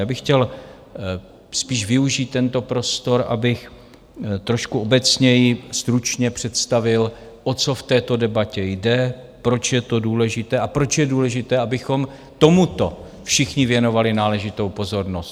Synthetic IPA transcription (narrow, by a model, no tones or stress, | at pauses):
jaːbɪxcɛl | spiːʒvɪuʒiːt̪ːɛnt̪o̞pɾo̞st̪o̞ɾa̰bɪx | t̪ɾo̞ʃkuobɛt͡sɲɛjɪst̪ɾut͡ʃɲɛpr̝̥ɛt̪st̪avɪl | ʔo̞t͡so̞ft̪ɛːt̪o̞dɛbacɛjdɛ | pɾo̞t͡ʃjɛt̪o̞duːlɛʒɪt̪ɛːapɾo̞t͡ʃjɛduːlɛʒɪt̪ɛːʔabɪxo̞m | t̪o̞mut̪o̞ | fʃɪxɲɪvjɛno̞valɪnaːlɛʒɪt̪o̞wpo̞zo̞ɾnost̪